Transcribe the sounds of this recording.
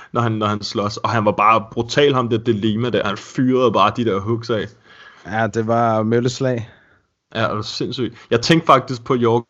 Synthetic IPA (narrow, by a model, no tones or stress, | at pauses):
nɒhænːɒhænslɒ̽sɒ̽ɦænʋɑ̈b̥ɑ̈ːb̥ʁut͡sʰɛ̰ːlhɑ̈md̥ed̥e̝liːmæd̥æɐhænfyːɐð̞̩ˠb̥ɑ̈ːd̥id̥eɐ̰ɦɔɡ̥sɛɪ | jæd̥e̝ʋɑ̈møləslɛ̰ɪ | jʔædese̝nsy̰ːd̥jɑ̈ɪt͡sʰeŋ̰ɡ̥fɑ̈ɡ̥̚d̥isɡ̥̚pʰɒ̽jɒː